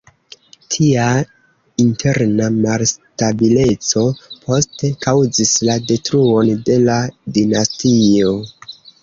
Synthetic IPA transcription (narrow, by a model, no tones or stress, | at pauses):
tʰia | intʰe̞ɾnamalstabile̞t͡sopʰo̞ste̞kawzislade̞tɾuo̞nde̞ladinastio̞